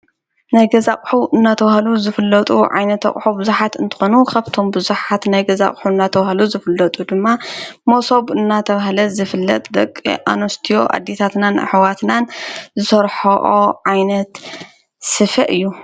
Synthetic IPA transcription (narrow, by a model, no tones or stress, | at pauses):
najɡɐzakʼħuʔɨnːat̪ʰɐβahluzɨfɨlːɐt̪ʼuʕa̰jnɐt̪ːɐ̰kʼħubɨzuħat̪ɨnt̪ʰɨ̥xo̞nukʰaβt̪ʰo̞mbɨzuħat̪najɡɐza̰χʼħuɨnːat̪ʰɐβahluzɨfɨlːɐt̪ʼud̪ɨmːamosoβɨnːat̪ʰɐβahlɐzɨfɨlːɐ̰t̪ʼd̪ɐkʼːḭʔa̰nost̪ʰijo̞̰ʔa̰d̪ːet̪ʰat̪nan̰ħwat̪nanzɨsɐɾħoʔoʕajnɐt̪ | sɨfɐʔɨjːu